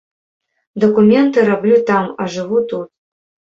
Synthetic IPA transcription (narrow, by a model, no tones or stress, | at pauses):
d̪ɐkumʲɛnt̪ɨɾablʲut̪ama̰ʐɨvut̪ut̪̚